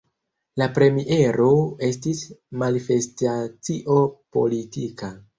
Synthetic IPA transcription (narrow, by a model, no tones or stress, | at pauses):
lapɾe̞miʔe̞ɾo̞e̞stismanife̞stat͡siʔo̞po̞̰litika